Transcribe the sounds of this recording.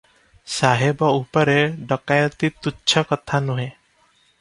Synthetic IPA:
saɦebɔupɔɾeɖɔkajɔt̪it̪uːt͡ʃʰɔkɔt̪ʰanuɦẽ

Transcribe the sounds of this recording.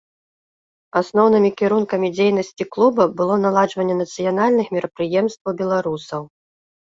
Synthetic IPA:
asnɔwnɨmʲikʲiɾunkɐmʲid͡zʲejnɐsʲt͡sʲiklˠubɐbɨlˠɔnalˠad͡ʐvɐnʲːɛnɐt̪sɨjanalʲnɨxmʲiɾɐpɾɨjɛmst̪vɐwbʲɛlˠaɾusɐw

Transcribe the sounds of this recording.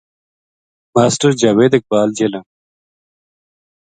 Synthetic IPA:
maːsʈəɾd͡ʑɐweːd̪ek̚baːld͡ʑelɐ̃n

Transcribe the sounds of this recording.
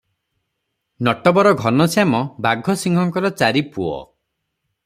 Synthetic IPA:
nɔʈɔbɔɾɔɡʱɔnɔsjamɔbaɡʱɔsiŋɡʱɔŋkɔɾɔt͡ʃaɾipuɔ̰

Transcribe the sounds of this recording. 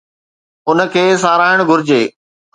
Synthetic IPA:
ʊnə̆kʰeːsaːɾaːɪɽ̃ɡʱʊɾɪd͡ʑeː

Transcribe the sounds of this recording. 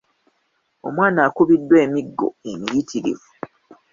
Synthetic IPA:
o̞mwaːnaːkuβidːwe̞ːmiɡːo̞̰e̞mijitʰiɾḭvu

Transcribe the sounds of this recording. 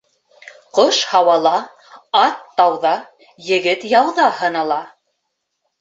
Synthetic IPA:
qoʃhɑwɑlˠɑ | ɑt̪ːɑwðɑ | jɘ̆ɡɘt̪jɑwðɑhɤ̆nɑlˠɑ

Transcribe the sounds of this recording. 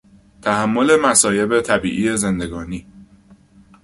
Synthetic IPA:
t̪ʰæhæmːo̞le̞mæsɒːje̞be̞t̪ʰæbḭːʔiːeze̞nd̪e̞ɡɒːniː

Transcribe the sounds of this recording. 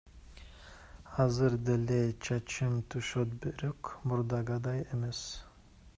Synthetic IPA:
hazɨɾd̪elet͡ʃʰɑt͡ʃʰɯmt̪ʰuʃot̪̚beɾykmuɾd̪ɑɡɑd̪ɑjemes

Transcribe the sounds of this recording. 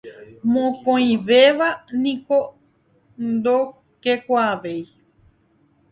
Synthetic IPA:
mõkõĩʋeʋanĩko | nd̪o | kekʷaːʋej

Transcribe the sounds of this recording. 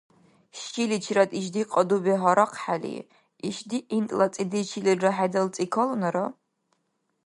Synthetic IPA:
ʃilit͡ʃʰiɾɐtʼiʃ̬diqʼɐdubiɦaɾɐqʰħalḭ | iʃdiʔintʼlɐt͡sʼidit͡ʃʰilirrɐħadɐlt͡sʼikʰɐlunɐɾɐ

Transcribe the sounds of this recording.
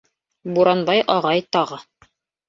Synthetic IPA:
buɾɑnbɑjʔɑʁɑjt̪ɑʁɤ

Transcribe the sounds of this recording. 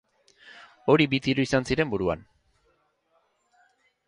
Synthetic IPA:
o̞ɾibit̪iɾuisansiɾe̞mbuɾua̰n

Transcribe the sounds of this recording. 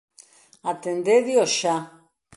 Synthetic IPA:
at̪end̪eðioʃa

